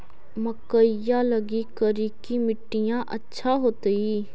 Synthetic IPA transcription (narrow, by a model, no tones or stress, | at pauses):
məkəɪjãːləɡiːkəɾiːkimɪʈːɪjãːʔətːʃʰaːɦoːt̪əiː